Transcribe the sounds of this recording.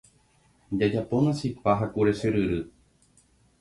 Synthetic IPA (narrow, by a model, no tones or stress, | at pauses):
d͡ʒad͡ʒaponasipaɦakuɾeʃɨɾɨɾɨ